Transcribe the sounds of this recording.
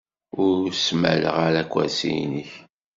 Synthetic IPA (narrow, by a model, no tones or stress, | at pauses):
ʊɾsmæ̰lə̰ʁaɾækʷwæsḭjniç